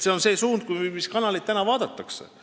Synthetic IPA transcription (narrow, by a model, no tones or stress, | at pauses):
se̞o̞nse̞ːsuːnd̪̥̚kujmiskɑnɑlit̪t̪ːænɑvɑːd̪̥ɑt̪ːˑɑksḛ